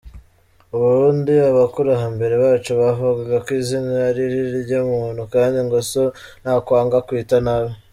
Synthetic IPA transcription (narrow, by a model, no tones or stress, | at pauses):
uβuɾɾuːndiaβakuɾaɦambe̞ɾe̞βaːt͡ʃuβavuɡaɡakwiːzinaaɾiɾiɾɟamuun̤hukaːndiŋɡoson̥haːkwaːŋɡakwiːtanaβe